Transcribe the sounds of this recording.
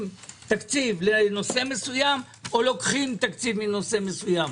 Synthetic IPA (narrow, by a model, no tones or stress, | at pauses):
mt̪akt͡sivleno̞se̞me̞sujam | olo̞kχimt̪akt͡sivmino̞se̞me̞sujam